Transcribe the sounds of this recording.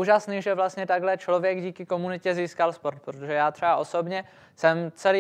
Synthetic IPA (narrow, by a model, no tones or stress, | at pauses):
uːʒasniːʒɛvlast̪ɲɛt̪aɡɦlɛt͡ʃlo̞vjɛɡɟiːkɪko̞munɪcɛziːskalspo̞ɾt̪̚pɾot̪oʒɛjaːt̪r̥ɛvaʔo̞so̞bɲɛ | sɛmt͡sɛliː